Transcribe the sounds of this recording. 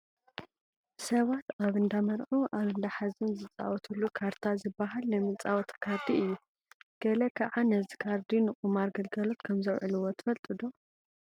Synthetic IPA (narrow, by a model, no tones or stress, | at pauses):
sɐβat̪aβɨnd̪amɐɾʕuʔaβɨnd̪aħazɨnzɨt͡sʼa̰wɔt̪ʰulːukʰaɾt̪ʰazɨbːaɦalnɐmɨnt͡sʼawɔt̪ʰkʰaɾd̪iɨjːu | ɡ̥ɐlɐkʰaʕanɐzikʰaɾd̪inɨχʼumaɾɡɐlɡɐlot̪kʰɐmzɐwʕɨluwot̪ʰɨ̥fɐlt̪ʼɨd̪o